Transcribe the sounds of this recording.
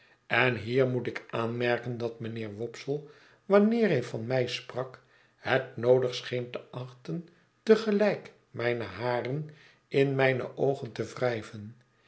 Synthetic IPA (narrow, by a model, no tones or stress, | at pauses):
ɛnɦiːɹmutɪkaːnmɛɹkəndɑtmənɪːɹʋɔpsəlˠ | ʋɑnɪːɹɦɛjfɑnmɛjsprɑk | hətnowdəχsχejntəʔɑχtən | təχəlɛjk | mɛjnəɦaːrən | ɪnmɛjnə̰ʔowχəntəvrɛjvən